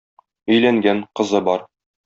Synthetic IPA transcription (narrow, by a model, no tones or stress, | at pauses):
ɵ̆jlæŋɡæɴqɤ̆zɤbɒɾ